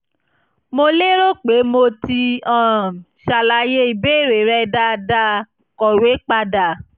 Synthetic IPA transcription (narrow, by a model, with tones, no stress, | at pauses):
mo˧le˦ɾo˦k͡pe˨˦mo˧ti˧ɔ̃˦˨ | ʃa˨la˧je˦i˨be˦˨ɾe˨ɾɛ˧da˧da˧ | kɔ˨we˨˦k͡pa˧da˨